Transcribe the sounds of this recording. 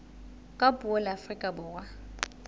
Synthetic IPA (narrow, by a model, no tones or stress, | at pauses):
kʼapʼuɔlɪafrikʼabʊːrwa